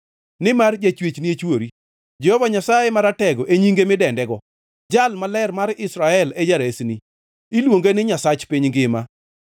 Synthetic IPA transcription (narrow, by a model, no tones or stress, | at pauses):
nɪmard͡ʒat͡ʃwet͡ʃniet͡ʃwoɾi | d͡ʒɛhɔvaɲasajemaɾatɛɡɔʔeɲiŋɡemɪdɛndɛɡɔ | d͡ʒalmalɛrmaɾɪsɾaɛled͡ʒaɾesni | ilwoŋɡenɪɲasat͡ʃpiɲɡɪma